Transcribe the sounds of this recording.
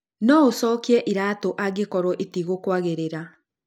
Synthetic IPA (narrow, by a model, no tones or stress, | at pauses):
nɔosɔːkiɛʔiɾaːtoʔaɡekɔɾwɔʔitiɣokwaɣeɾeɾa